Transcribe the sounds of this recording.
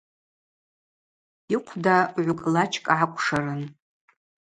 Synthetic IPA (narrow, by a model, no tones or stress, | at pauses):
iqʷʰdaʕʷʊkʼlat͡ʃʰʼkʼʕakʷʰʼʂarɨn